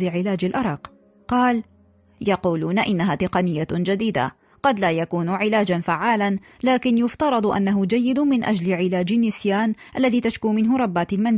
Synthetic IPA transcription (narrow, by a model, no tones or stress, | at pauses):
ɪʕɪlaːd͡ʒalʔɑɾˤɑːq | qɑːl | jɑquːluːnaʔɪnːaɦaːt̪ɪqɑnɪjːad͡ʒad̪iːd̪a̰ | qɑd̪laːjakuːnʕɪlaːd͡ʒanfaʕːaːlan | laːkɪnjʊft̪ɑɾˤɑd̪ˤʔa̰nːaɦʊd͡ʒajːɪd̪mɪnʔa̰d͡ʒlɪʕɪlaːd͡ʒɪnːɪsjaːnʔalːaðiːt̪aʃkuːmɪnɦʊɾˤɑbːaːt̪alman